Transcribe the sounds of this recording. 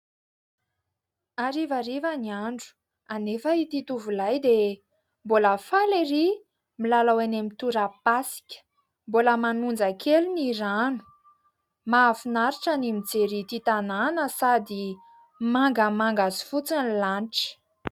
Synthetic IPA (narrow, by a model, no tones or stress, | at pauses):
aɾivaɾivəniaɳɖ͡ʐu̥ | anefəit̪it̪uvulajd̪e | boləfaliri | milalawanemit̪uɾapasi̥kʲə̥ | boləmanund͡zəkʰeluniɾanu̥ | mafinaɾiʈ͡ʂənimid͡zeɾit̪it̪ananəsad̪i | maŋɡəmaŋɡazi̥fut͡sinlanʈ͡ʂə̥